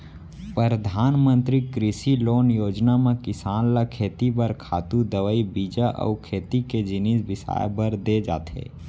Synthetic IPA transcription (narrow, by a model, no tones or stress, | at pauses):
pɾəɾəd̪ʱaːnmə̃nt̪ɾikɾɪsiloːnjoːd͡ʒnamẽkɪsaːnlakʰeːt̪ibəɾkʰaːt̪ud̪əʋəibiːd͡ʒaʔɔ̰ːkʰeːt̪iked͡ʒɪnisbɪsa̰ːjbəɾd̪ed͡ʒa̰ːt̪ḛː